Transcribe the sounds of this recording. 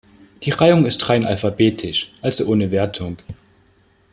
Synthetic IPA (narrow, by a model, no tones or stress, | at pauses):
d̥iːʁaɪʊŋɪstʁ̥aɪnʔa̰lfabeːtʰɪʃʔalsʔoːnəveːɐtʰʊŋ